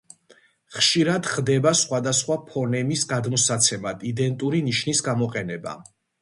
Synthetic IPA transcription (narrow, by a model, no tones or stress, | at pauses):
χʃiɾad̪χd̪ɛbasχwad̪asχwapʰɔnɛmisɡad̪mɔsat̪sʰɛmad̪id̪ɛnt̪ʼuɾiniʃnisɡamɔqʼɛnɛba̰